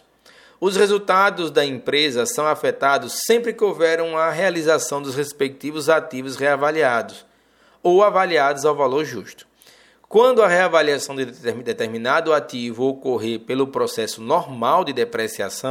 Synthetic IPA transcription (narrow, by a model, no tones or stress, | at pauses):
ʊshezut̪ad̪ʊzd̪ɐẽpɾezɐsɐ̃w̃afɛt̪ad̪ʊsːẽmpɾɪkɪowvɛɾɐ̃w̃ɐɦealizasɐ̃w̃d̪ʊshespek̚t̪ivʊzat̪ivʊsʁeavaliad̪ʊs | owavaliad̪ʊzawvaloɾʒuʃt̪ʊ̥ | kwɐ̃nd̪ʊɐʁeavaliasɐ̃w̃d̪ɪd̪et̪eɾmĩnad̪ʊat̪ivʊokoɦeɾpelʊpɾɔsɛsʊnɔɾmawd̪ɪd̪epɾesia̰sɐ̃w̃